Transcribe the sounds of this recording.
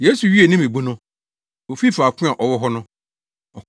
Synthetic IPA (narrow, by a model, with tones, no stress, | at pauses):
je˨˦su˨ɥi˦e˨nĩ˦me˨bu˦nʊ̃˦ | o˨fi˦˨faː˨kʰʊ̃˦ã˨ʔɔ˨wɔ˦ɦɔ˦nʊ̃˦ | ɔ˨